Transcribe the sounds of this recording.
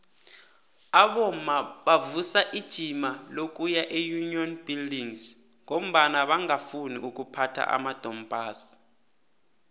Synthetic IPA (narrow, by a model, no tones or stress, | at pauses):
aɓɔm̩maɓavusaʔid̥ʒ̥ʱimalok̬ʼujaʔejuniɔnb̥ildiŋs | ŋom̩ɓanaɓaŋafuniʔuk̬ʼupʰatʰa̰ʔa̰mad̥ʱɔmbʱaːsi̥